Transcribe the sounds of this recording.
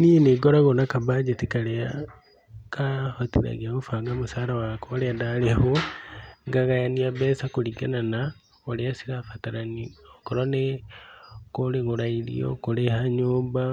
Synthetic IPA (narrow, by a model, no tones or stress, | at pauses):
nieneɡoɾaɣonakabad͡ʒetikalea | kahotiɾa̰ɣaɣufaɡamusaːlawakoleadaleho | ŋɡaɣajaniaβesakuliɡanana | oleasiɾafataɾaniokoɾone | koleɣuɾailḭo̰kulehaɲuːmba